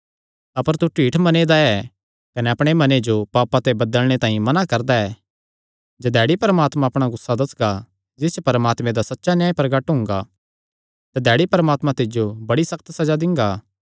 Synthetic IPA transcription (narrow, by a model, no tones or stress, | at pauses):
ɐpəɾt̪uʈiːʈʰmɐneːd̪aɛ | kɐnɛɐpɽ̃emɐned͡ʒopaːpat̪ebɐd̪əlɽ̃et̪ãːĩmɐnakɐɾd̪aɛː | d͡ʒɐd̪ɛːɽipɐɾəmaːt̪mãɐpɽ̃aɡʊsːad̪ɐsɡa | d͡ʒɪst͡ʃopɐɾəmaːt̪mẽd̪asɐtːʃanjãːĩpɐɾɡəʈɦʊ̃ŋɡa | t̪ad̪ɛːɽipɐɾəmaːt̪mãt̪ɪd͡ʒjobɐɽisɐkʰt̪sɐd͡ʒad̪ɪ̃ŋɡaː